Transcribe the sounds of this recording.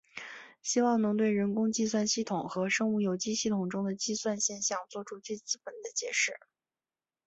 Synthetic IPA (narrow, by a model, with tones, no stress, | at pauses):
ɕi˥wɑ˥˩ŋnɤ˧˥ŋt̪we˥˩ɪɻə˧˥nkʊ˥ŋt͡ɕi˥˧swa˥˧nɕi˥˩t̪ʰʊ˨˩˦ŋxɤ˧˥ʂɤ˥ŋu˥˩jo˨˩ʊt͡ɕi˥ɕi˥˩t̪ʰʊ˨˩ŋʈ͡ʂʊ˥ŋd̪ə˨t͡ɕi˥˧swa˥˧nɕjɛ˥˧nɕjɑ˥˩ŋt͡swɔ˥˩ʈ͡ʂʰu˥t͡swe˥˧ɪt͡sɹ̩˥pə˨˩nd̪ə˦t͡ɕjɛ˧˥ʂɻ̩˥˩